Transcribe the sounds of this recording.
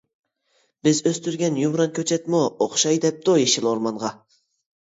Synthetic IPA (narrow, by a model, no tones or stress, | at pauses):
bɪzøst̪yɾɡʲɛnjumɾɑnkʲʰøt͡ʃʰɛt̪mooχʃɑjd̪ɛp̚t̪ojeʃilˠoɾmɑnʁɑ